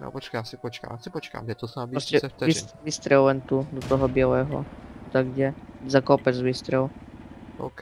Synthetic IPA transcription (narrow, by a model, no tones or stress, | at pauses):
nɔ̰pɔt͡ʃkajasipɔt͡ʃka̰masipɔt͡ʃka̰mɛt̪ɔsabɾɔsɛfisʋist̪ɾɛllɛnt̪ud̪ɔt̪ɔɦɔbɪɛlɛːɦɔ̰t̪aɡɟɛzakɔpɛd͡zʋiːst̪ɾɛl | ok